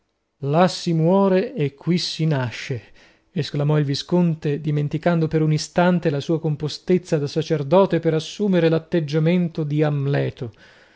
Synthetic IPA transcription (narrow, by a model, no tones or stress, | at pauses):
lasːimwɔːɾeːkʰːwisːinaʃːeː | sklamɔilviskont̪ed̪iment̪ikand̪opeɾunist̪ant̪elasuːakompost̪et̪sːad̪asat͡ʃerd̪ɔːt̪epeɾasːuːmeɾelat̪ːed͡ʒːament̪od̪iamlɛːt̪o